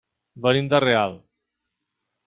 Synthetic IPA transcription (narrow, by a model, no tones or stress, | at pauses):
bənimd̪əreal